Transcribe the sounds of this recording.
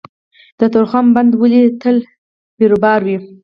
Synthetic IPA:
d̪̥ət̪oɾxamband̪wəlit̪əl | beɾobɑɾwi

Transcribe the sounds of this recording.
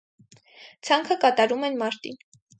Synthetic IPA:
t͡sʰɑŋkʰəkɑt̪ɑɾumɛnmɑɾt̪ḭ

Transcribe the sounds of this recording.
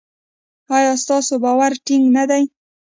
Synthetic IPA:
ɑjɑst̪ɑsobɑwaɾʈɪŋɡnad̪aj

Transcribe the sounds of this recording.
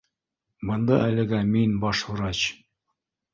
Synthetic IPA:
bɤ̆nd̪ɑʔælɘ̆ɡæminbɑʃhŭɾɑt͡ɕ

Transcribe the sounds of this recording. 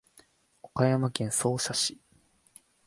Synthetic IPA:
okajamakẽ̞ɰ̃so̞ːɕaɕi

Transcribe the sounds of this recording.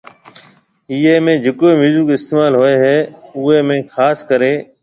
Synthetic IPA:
iːeːmẽːd͡ʒeːkoːimɪzuːkɪst̪eːmaːlɦoːeːɦɛːʊeːmẽːxʰaːskəɾeː

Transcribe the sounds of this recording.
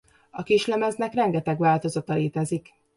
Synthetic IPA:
ɒkiʃlɛmɛznɛkrɛŋɡɛt̪ɛɡʋaːlt̪o̞zɒt̪ɒleːt̪ɛzik

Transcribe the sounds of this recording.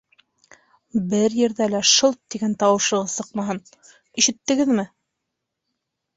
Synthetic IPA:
bɘɾjɘ̆ɾðælæʃɤlˠt̪ːiɡænt̪ɑwɤ̆ʃɤ̆ʁɤsɤqmɑɦɤn | iʃɘ̆t̪ːɘ̆ɡɘðmɘ

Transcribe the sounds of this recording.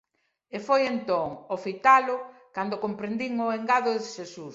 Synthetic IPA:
efojent̪oŋofit̪alʊkand̪ʊkompɾend̪iŋoeŋɡaðʊðɪʃesus

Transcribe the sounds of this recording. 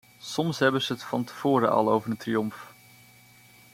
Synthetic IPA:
sɔmsɦɛbəzəətfɑntəv̥ʊːɾəʔɑ̰lˠowvəɹrəntriɔmf

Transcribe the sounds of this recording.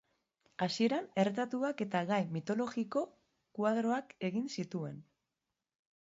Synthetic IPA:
asie̞ɾane̞ɾt̪at̪uake̞t̪aɣajmit̪o̞lo̞ɣiko̞ | kwaðɾo̞ake̞ɣinsit̪ue̞̰n

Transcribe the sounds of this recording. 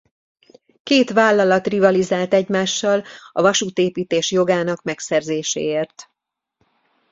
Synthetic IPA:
keːt̪ʋaːlːɒlɒt̪rivɒlizaːlt̪ɛɟmaːʃːɒlɒ̰vɒʃuːt̪eːpiːt̪eːʃjo̞ɡaːnɒkmɛksɛrzeːʃḛːeːrt̪

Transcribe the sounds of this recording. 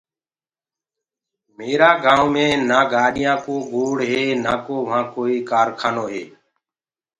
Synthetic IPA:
meːɾaːɡãːõːmẽːnaːɡaːɗɪjãːkoːɡoːɽɦeːnaːkoːʋãːkoːiːkaːɾkʰaːnoːɦḛː

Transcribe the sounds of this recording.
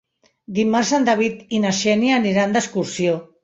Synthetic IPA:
d̪imarsand̪aβ̞it̪inaʃɛnianiɾand̪əskuɾsio

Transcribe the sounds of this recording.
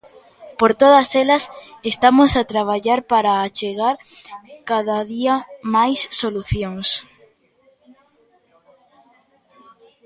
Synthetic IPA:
poɾt̪oð̞ɐselɐsest̪amosat̪ɾaβ̞aʎaɾpaɾaːt͡ʃeɣaɾkaðaðiɐmajsːoluθjoŋs

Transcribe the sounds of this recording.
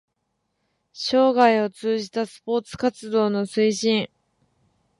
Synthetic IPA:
ɕo̞ːɡaio̞t͡sɨːʑit̪asɨ̥po̞ːt͡sɨ̥kat͡sɨd̪o̞ːno̞sɨiɕĩɴ

